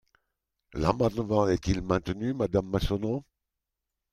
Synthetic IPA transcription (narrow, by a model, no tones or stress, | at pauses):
la̰mɛ̃t̪əvɑ̃ɛt̪ilmɛ̃t̪nymad̪amːasɔnõ